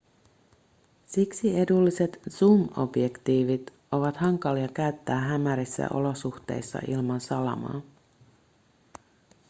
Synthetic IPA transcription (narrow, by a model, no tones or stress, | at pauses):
siksie̞dulːise̞t̪sumo̞̰bje̞kt̪iːʋit̪ | o̞ʋɑt̪hɑŋkɑliɑkæɥt̪ːæːɦæmæɾisːæ̰ʔo̞̰lo̞suxt̪e̞̰jsːɑ̰ʔilmɑnsɑlɑ̰mɑ̰ː